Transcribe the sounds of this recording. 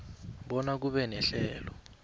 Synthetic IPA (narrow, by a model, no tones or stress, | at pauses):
ɓɔnak̬uɓɛnɛɬɛːlɔ